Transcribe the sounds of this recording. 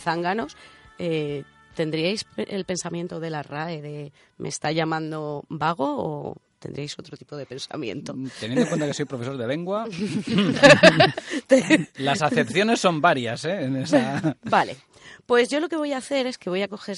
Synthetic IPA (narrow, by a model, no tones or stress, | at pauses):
θaŋɡano̞se | t̪e̞nd̪ɾiajsḛlpe̞nsamjent̪oðe̞laraeðe̞ | mʔḛst̪aʎamãnd̪obaɣ̞o̞̰ːt̪e̞̰nd̪ɾiajso̞t̪ɾot̪i̥po̞ð̞e̞pẽ̞nsa̰mjḛnt̪o̞t̪enj̃noeŋkwent̪akeso̞jpɾo̞fe̞soɾðele̞ŋɡwa | t̪elasaθθe̞pθjo̞ne̞sːo̞mbaɾjaseːnesabale | pwe̞zʝo̞lo̞ke̞β̞o̞jaːθe̞ɾe̞ske̞βo̞jako̞xe̞